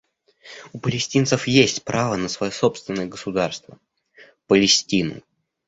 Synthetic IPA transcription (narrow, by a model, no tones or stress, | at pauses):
ʊpəlʲɪsʲtʲint̪səfjesʲtʲpɾʔavənəsvɐjoso̞pst̪vʲɪnːəjəɡəsʊd̪arst̪və | pəlʲɪsʲtʲinʊ̰